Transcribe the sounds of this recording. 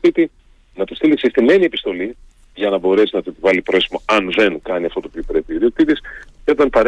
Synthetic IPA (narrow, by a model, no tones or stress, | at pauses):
it̪i | nɐt̪ust̪iliksest̪ine̞nie̞pi̥st̪o̞li | ʝɐnɐbo̞ɾe̞sinɐt̪uepivɐlipɾosimoɐnðe̞ŋkɐniɐft̪o̞t̪opiopɾe̞piiot̪iðisceo̞t̪ɐnpɐɾ